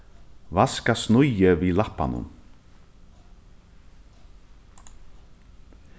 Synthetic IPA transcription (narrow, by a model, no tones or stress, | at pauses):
vaskasnʊjəvilahpːa̰nʊ̰m